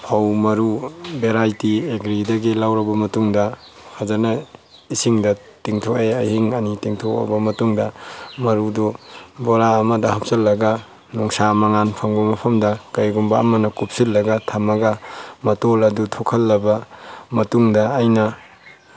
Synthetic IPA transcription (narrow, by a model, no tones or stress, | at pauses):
pʰawmɐɾubeɾajtieɡɾidɐɡilawɾɐbɐmɐtuŋdɐ | hazɐɾnɐ | isiŋdɐ | tiŋtʰoʔeɐjhiŋɐnitiŋtʰoa̰bɐmɐtuŋdɐmɐɾudɔboɾaːmɐdɐhap̚sɐlːɐɡa | nɔŋsamɐŋanpʰɐŋbɐmɐpʰɐmdɐkɐjɡumbaːmɐnɐkup̚silːɐɡɐtʰamɐɡɐmɐtolɐdutʰɔkʰɐlːɐbɐmɐtuŋdɐːjnɐ